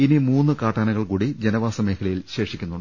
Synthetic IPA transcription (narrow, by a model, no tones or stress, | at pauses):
inimuːnːɨkaːʈːaːnɐɣɐɭkuːɽid͡ʑenɐʋaːsɐme̞ːkʰɐlɐjilɕe̞ːʂikʲːunːuɳɖ